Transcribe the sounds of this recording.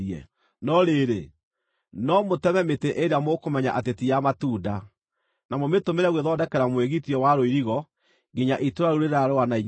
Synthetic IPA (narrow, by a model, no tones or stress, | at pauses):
ɛ̰ | nɔɾeɾe | nɔmotɛmɛmeteʔeɾeamokomɛɲaʔatetiamatuːda | namometomeɾɛɣweðɔdɛkɛɾamweɣitiɔwaɾoiɾiɣɔ | ɡiɲaʔitoɾaɾuɾeɾaɾoanaiɲ